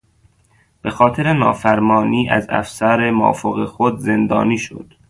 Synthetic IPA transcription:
b̥exɒːt̪ʰeɾenɒːfæɾmɒːniːʔæ̰zæ̰fsæɾemɒ̰ːfoɣexod̪ze̞nd̪ɒ̰ːniːʃo̰d̪̥

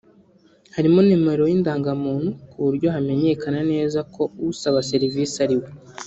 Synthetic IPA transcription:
haɾimonimeɾo̞jindaːŋɡamuːn̥hukuβuɾɟo̞ɦame̞ɲe̞kanane̞ːzakʰo̞wusaβase̞ɾiviːsaɾiwe

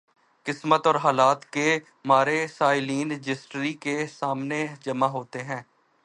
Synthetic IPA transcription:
kɪsmət̪ɔːɾɦaːlaːt̪ke | maːɾesaːɪliːnɪd͡ʒɪsʈɾikesaːmned͡ʒɐmaɦoːt̪eɦɛ̃ː

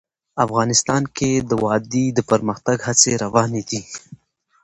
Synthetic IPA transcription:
afɣɑːnɪst̪ɑnked̪əwɑd̪id̪əpəɾməxt̪aɡhat͡seɾawɑned̪i

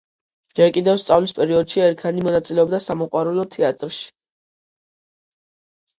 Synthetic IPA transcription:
d͡ʒɛɾkʼid̪ɛvst̪sʼavlispʼɛɾiɔd̪ʃiɛɾkʰanimɔnat̪sʼilɛɔbd̪asamɔqʼwaɾɛlɔt̪ʰɛat̪ʼɾʃi̥

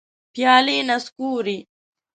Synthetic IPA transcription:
pʰijaːliːnɐskuːɾi

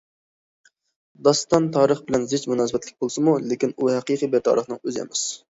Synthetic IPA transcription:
d̪ɑst̪ɑnt̪ʰɑːɾəχbɪlɛnzɪt͡ʃmunɑːsəbɛt̪lɪk̚ʲbolˠsɨmulekʲinuhæqiːqibɛɾt̪ʰɑ̰ːɾəχnɨŋøzɛ̰mɪs

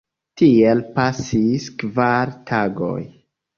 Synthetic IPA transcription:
tielpasiskvaɾtʰaɡo̰j

